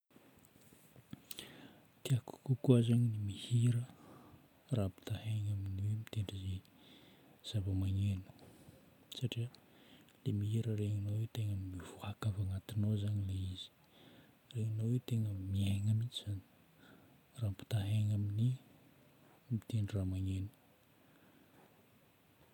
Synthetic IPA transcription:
k̪iaku̥kukuazaɲinimihiɾə | raːpi̥t̪aheɲaminiwemit̪eɳɖ͡ʐize | z̥avamaɲenu̥ | saʈ͡ʂiəlemiɦiɾəɾeŋinowewt̪eŋənimiv̥oakavaŋat̪inozanileiz̥i̥ | reŋinowewt̪eŋəmiaŋamit͡ʃiz̥ani̥ | rapi̥t̪aɦeŋamini | mit̪eɳɖ͡ʐiramaɲenu̥

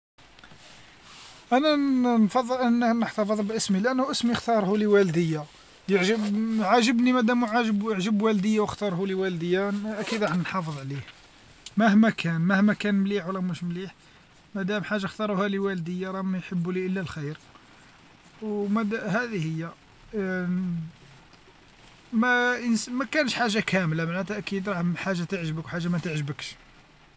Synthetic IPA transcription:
ʔænænfɑd̪ˤːəlʔənːəhnəħt̪ɑfəðˤlbʔəsmilʔænːhuʔəsmixt̪ɑɾˤhuliwæld̪əjːa | əʕʒəbʕaʒəbnimæd̪æmʕaʒəbəʕʒəbwæld̪əjːawəxt̪ɑɾˤhuliwæld̪əjːanʔækid̪ɾˤɑħnənħɑfəðˤʕlih | mæhmækʰænmæhmækænmliħwlːæmuʃmliħ | mæd̪æmħaʒːaxt̪ɑɾˤuhæliwæld̪əjːaɾˤɑmæjħəbːuliʔəlːælxijɾ | wmæd̪hæd̪ihəjːæ | mæənsmækænəʃħaʒːakʰæmlamaʕnæt̪ʔækid̪ɾˤɑħħaʒːat̪əʕʒəbəkwħaʒːamæt̪əʕʒbəkʃ

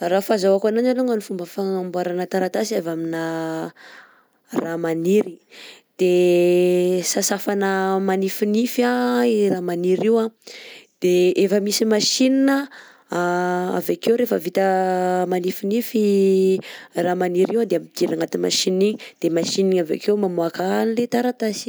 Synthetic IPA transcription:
rafazawakanananaŋanifumbəfaŋambwaɾanət̪aɾat̪asiavaminə | ramaniɾid̪̥e | sasafanəmanifinifaramaniɾiwad̪̥eefəmisimaʃininə | a̰vekewɾefəvit̪əmanifinifi | ramaniɾiwad̪eamit̪iɾaŋat̪ima̰ʃiniɲid̪̥emaʃiniɲavḛkemamuakanilet̪aɾat̪asi̥

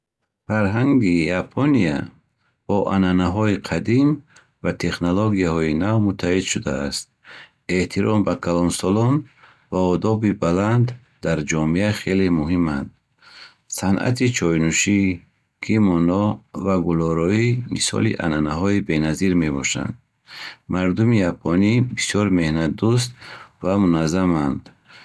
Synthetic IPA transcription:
faɾɦaŋɡijapʰɔnia | b̥ɔʔa̰nanaɦɔiqʰad̪im | vat̪ʰe̞χnoloɡijahɔinavmut̪ʰːahid̪ʃud̪aːst̪̚ | e̞t̪ʰiɾɔmbakʰalɔnsɔlɔn | vaɔd̪ɔbibaland̪ː | aɾd͡ʒɔmiaχe̞lemuɦimand̪ | sanʔa̰t̪ʰit͡ʃʰɔjnuʃi | kʰimɔnɔvaɡulɔɾɔimḭsɔ̰lḭʔa̰nanaɦɔibe̞naziɾme̞bɔ̰ʃa̰nd̪ | maɾd̪umijapʰɔnibisjɔɾme̞hnad̪us̬t̪vamunazamand̪

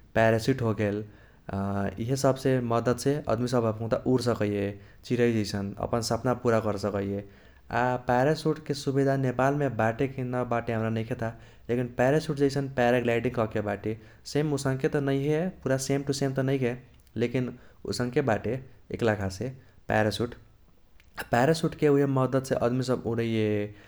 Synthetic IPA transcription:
pɛɾesiʈɦoɡel | ḭɦesəbseməd̪əd̪seə̰d̪misəbʱəbkũt̪aʔuɾs̬əkəje | t͡ʃiɾəjd͡ʒəjsʰənə̰pənsəpnapuɾakəɾsəkəje | apɛɾesuʈkesubid̪ʱanepalmebaʈekenəbaʈeɦəmɾanəjkʰet̪ʰa | lekinpɛɾesuʈ̚d͡ʒəjsʰənpaɾeklaɪʈĩŋkʌkebaʈe | semusə̃ŋket̪ʌnəjɦepuɾasemʈusemt̪ənəɪjke | lekino̰sə̃ŋkebaʈeḛklakʰasepɛ̰ɾasuʈ | paɾesuʈkeuɦeməd̪əd̪seʔəd̪mis̬əbuɾəjje

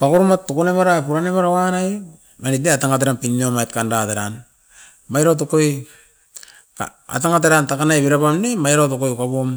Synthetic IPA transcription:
pakoɾomatːokonemaɾapuɾanemaɾaanaj | manitneataŋat̬eɾanpinnomajt̚kandateɾan | majɾat̬okoj | ka̰a̰taŋat̬eɾantakanajβeɾapamnemajɾatokojkabom

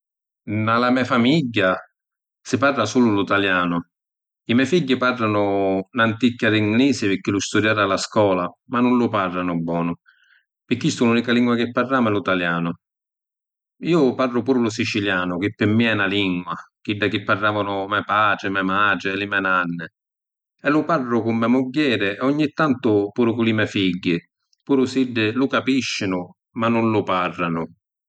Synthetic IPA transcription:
nalamɛfamiɟːa | sɪparːasuːlʊlut̪aljaːnʊ | imɛfiɟːɪparːanʊnant̪ikːaɾiŋɡliːsɪpɪkːɪlʊst̪ud̪jaːɾalaskɔːlamanːʊnlʊparːanʊbːɔːnʊ | pɪkːist̪ʊluːnikaliŋɡwakɪpːarːaːmɛlut̪aljaːnʊ | iːʊparːʊpuːɾʊlʊs̬it͡ʃiljaːnʊk̟ɪpːɪmːiɛnaliŋɡwak̟iɖːakɪpːarːaːvanʊmɛpaːt͡ʃɪmɛmaːʈɪlɪmɛnanːɪ | ɛlʊparːʊkʊmːɛmʊɟːɛːɾɪʔɔɲːit̪ːant̪ʊpuːɾʊkʊlimɛfiɟːɪ | puːɾʊsiɖːɪlʊkapiʃːɪnʊ | manʊnlʊparːanʊ

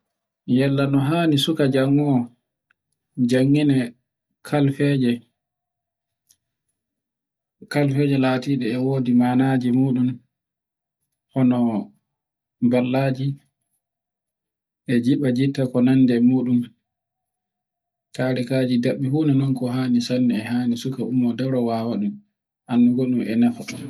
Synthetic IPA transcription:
jɛlːanɔɦaːnisukad͡ʒaŋːɔ | d͡ʒaŋːinɛ | kʰalfɛd͡ʒɛ | kalfɛːd͡ʒɛlaːtiːɗɛːwoːdimaːnaːd͡ʒimuːɗum | hɔnɔ | balːaːd͡ʒi | ʔɛd͡ʒiɓad͡ʒitːakɔnandɛmuːɗum | kaɾikaːd͡ʒidaɓːihuːnanɔnkɔɦaːnisanːɛɛhaːnisukaʔumːɔdɛɾɔwawaɗum | ʔanːuɡɔɗumʔɛ̰nafɔ

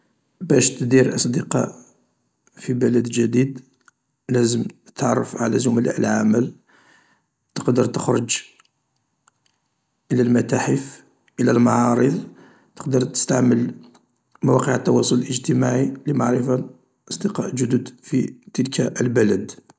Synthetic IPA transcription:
bæʃt̪d̪iɾʔɑsˤd̪əqɑ̰ʔ | fibəlæd̪ʒæd̪id̪ | læzəmət̪ʕɑrˤːəfʕa̰læ̰zʊmla̰ʔəlʕaməl | t̪ə̥qd̪əɾˤt̪əxɾˤəd͡ʒ | ʔəlælmæt̪aħəf | ʔəlælmɑʕɑɾˤəðˤ | t̪ə̥qd̪əɾˤt̪ə̥st̪aʕməl | mæwɑqəʕət̪ːɑwɑsˤʊləlʔəʒt̪əmaʕiləmaʕɾəfa | ʔɑsˤd̪əqɑ̰ʔʒʊd̪ud̪fit̪əlkæʔəlbælæd̪

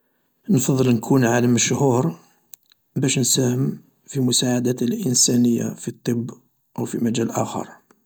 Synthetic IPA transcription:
nfɑðˤːəlnkʰunʕaləməʃhuɾ | bæʃnsæhəm | fimʊsaʕad̪æt̪əlʔənsænəjːa̰fit̪ˤːəbː | ʔwfimæd͡ʒælʔæ̰xɑ̰ɾˤ

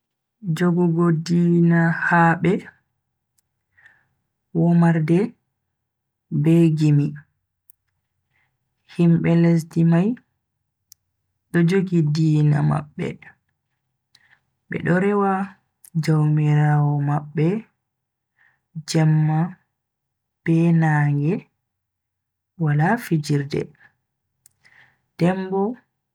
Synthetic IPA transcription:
d͡ʒoɡuɡɔdiːnahaɓɛ | wɔmaɾdɛ | bɛɡimi | himɓɛles̬dimaj | ɗɔd͡ʒoɡidiːna̰ma̰ɓːɛ̰ | ɓɛ̰ɗɔɾɛwa | d͡ʒawmiɾaːwɔmaɓːɛ | d͡ʒɛmːa | b̥ɛnaːŋɡɛ | walafid͡ʒiɾdɛ̰ | d̥ɛmbɔ

